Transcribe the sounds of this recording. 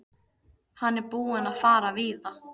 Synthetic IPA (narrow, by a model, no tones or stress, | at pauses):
hanːɛɾpuːɪnaðfaːɾaviːða